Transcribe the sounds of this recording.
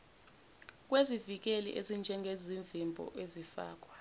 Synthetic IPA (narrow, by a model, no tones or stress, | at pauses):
k̬ʼwezivik̬elḭʔezind͡ʒʱɛŋɡʱeziɱvimbʱɔ̰ʔezifa̰ːk̬ʼwa